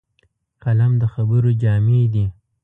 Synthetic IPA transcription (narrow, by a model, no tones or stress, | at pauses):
kalamd̪əxabəɾod͡ʒɑmed̪i